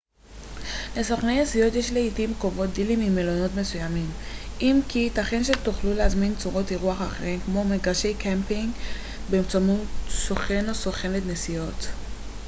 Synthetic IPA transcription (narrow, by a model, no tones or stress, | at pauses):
lesoχnejnesijo̞tjeʃleitimkovo̞t̚d̪ilimimelo̞no̞tme̞sujamimʔimkitaχenʃetuχluleazmint͡suʁo̞tiʁuaχaχeʁimkmo̞meɡaʁʃe̞jkempiŋɡ | bemt͡samutsoχenosoχe̞netnesijo̞t̪